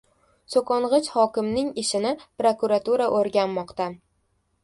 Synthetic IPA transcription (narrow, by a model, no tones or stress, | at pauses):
sokɒɴʁɨt͡ʃhɒkʲɪmnɪŋɪʃɪnɪpɾokuɾat̪uɾaʔoɾɡʲanmɒqt̪a